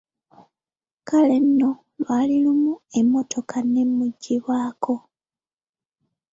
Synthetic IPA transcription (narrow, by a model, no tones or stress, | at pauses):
kale̞nːo̞ | βalilumue̞mːo̞tʰo̞kʰane̞mːuɟːiβwaːkʰo̞